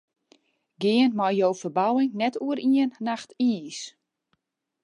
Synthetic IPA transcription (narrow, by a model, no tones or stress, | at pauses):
ɡɪənmɔjjowfərbawɪŋnɛtuəɾiənːaxtiːs